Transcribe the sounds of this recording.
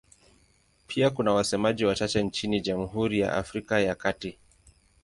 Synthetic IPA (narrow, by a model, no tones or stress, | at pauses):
pʰiakunawasɛmaʄiwat͡ʃat͡ʃɛnt͡ʃiniʄamuɦuɾija̰ʔa̰fɾikajakati